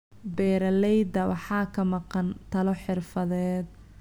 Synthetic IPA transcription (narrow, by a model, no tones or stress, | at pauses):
bɛːɾɐlɛjd̪ɐwɑ̰ħɑːkʰɐmɑqɑnt̪ʰɐlɔħɪrfɐðɛːd̪̚